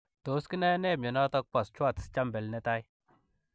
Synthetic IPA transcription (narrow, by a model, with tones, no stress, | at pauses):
to˨˦ski˦na˦jne˦˨mɲe˨na˦tɔ˦k̚pa˨st͡ʃu˦a˦˨tst͡ʃa˦mbe˨lne˦ta˦j